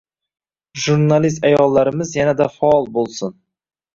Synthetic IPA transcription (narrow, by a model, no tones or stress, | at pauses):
ʒuɾnalis̬t̪ajɒlˠːaɾɪmɪzjanæd̪afaɒlˠbolˠsɨn